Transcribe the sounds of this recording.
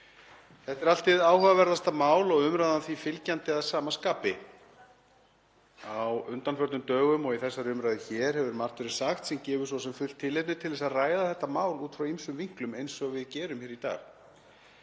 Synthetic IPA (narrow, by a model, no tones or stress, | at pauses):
θɛht̪ɛɾal̥t̪ɪðaːwhœvavɛɾðast̪amaːwlɔɣʏmɾajðanθvifɪlcant̪ɪaðsaːmaskaːpɪ | awʏnt̪anfœɾt̪nʏmt̪œːɣʏmɔɣiθɛsːaɾʏmɾajðɪçɛːɾ̥hɛvʏɾmar̥t̪ʏɾɪ̥saxt̪sɛmcɛːvʏsvɔsɛmfʏl̥t̪ʰːɪlːejt̪nʏt̪ʰɪlðɛsaðraːjðaθɛht̪ːamaːwluːt̪fɾawimsʏmviŋ̥klʏmejnsːɔɣavɪðcɛːɾʏmçɛːɾit̪a̰ːɣ